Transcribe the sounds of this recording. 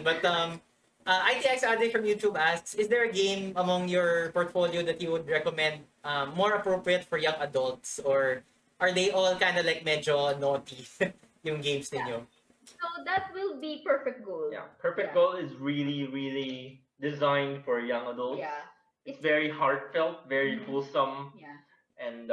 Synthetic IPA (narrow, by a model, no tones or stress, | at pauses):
bɐt̪ɐm | ʔɐʔajt̪iːɛksad̪ɪfɹɐ̃mjuːt̪jubʔasksɪsd̪ɛɹɐɡẽɪ̃mɐmɔ̃ŋjɔɹpɔɹt̪foljod̪ɐt̪̚juwʊd̪ɹɛkɔmɛ̃nd̪̚ | ɐmːɔɹɐpɹopɹiət̪fɔɹjɐ̃ŋɐd̪ɐlt̪sɔɹ | ʔɐɹd̪ejʔɔlkãjnd̪ɐlajk̚mɛd͡ʒonot̪is | jʊŋɡẽjmsnɪ̃njo | sod̪at̪̚wɪlˠbipɛɹfɛk̚t̪̚ɡolja̰pʰɛɹfɛk̚ɡolɪzɹiliɹili | d̪ɪzãɪ̃nd̪fɔɹjʌ̃ŋɐd̪əlˠts | ɪsvɛɹihaɹt̪fɛlˠt̪̚vɛɹikʰulsɐ̃m | ʔɛ̃n